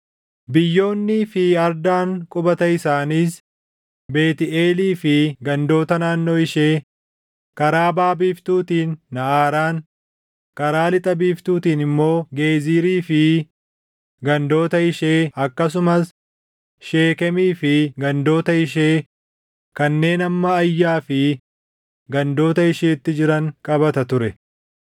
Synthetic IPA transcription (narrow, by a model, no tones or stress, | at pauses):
bɪjːo̞ːnːifɪɐɾd̪aːŋkʼʊbɐt̪ɐɪsaːniːs | be̞ːt̪ɪeːliːfɪɡɐnd̪o̞ːt̪ɐnaːnːo̞ːɪʃe̞ː | kɐɾaːbaːbiːft̪uːt̪iːnːɐʔaːɾaːŋ | kɐɾaːlɪt̪ʼɐbiːft̪uːt̪iːnɪmːo̞ːɡe̞ːziːɾiːfɪ | ɡɐnd̪o̞ːt̪ɐɪʃe̞ːɐkːɐs̬ʊmɐs | ʃe̞ːkɛmiːfɪɡɐnd̪o̞ːt̪ɐɪʃ̬e̞ː | kɐnːe̞ːnɐmːɐːjːaːfɪ | ɡɐnd̪o̞ːt̪ɐɪʃeːt̪ːɪd͡ʒɪɾɐŋkʼɐbɐt̪ɐt̪ʊɾɛ